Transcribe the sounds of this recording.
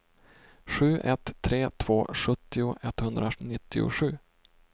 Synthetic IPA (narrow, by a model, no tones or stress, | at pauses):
ɧʉ̟ːʔɛt̪ʰːɾeːt̪ʰv̥oːɧɵt̪ːɪʊʔɛt̪ːhɵnd̪ɾanɪt̪ːɪʊ̰ɧʉ̟ː